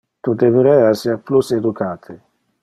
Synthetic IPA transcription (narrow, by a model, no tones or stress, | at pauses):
t̪ud̪epɾɛasiaplused̪ukʰaːt̪ʰe